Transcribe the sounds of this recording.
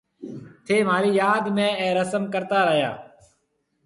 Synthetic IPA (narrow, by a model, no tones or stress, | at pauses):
t̪ʰeːm̤aːɾiːjaːd̪mẽːɛ̃ːɾəsəmkəɾt̪aːɾəɦja̰ː